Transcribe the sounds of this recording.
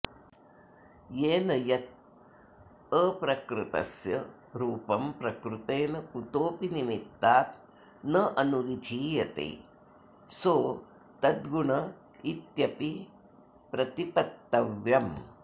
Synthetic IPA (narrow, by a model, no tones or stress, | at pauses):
jeːnɐjɐt̪̚ | əːpɾɐkɾɨt̪ɐ̰sjɐ̰ | ɾuːpɐmpɾɐkɾut̪eːnɐkut̪oːpinimit̪ːaːt̪ | nɐʔɐnuʋid̪ʱiːjɐt̪ḛː | soː | t̪ɐd̪ɡuɳɐ | it̪jɐpi | pɾɐt̪ipɐt̪ːɐʋjɐm